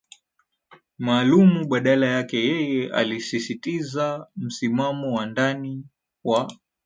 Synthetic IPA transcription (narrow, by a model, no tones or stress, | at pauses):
maːlumuɓaɗalajakɛjɛjɛa̰lisisitizam̩simamɔwandani | wa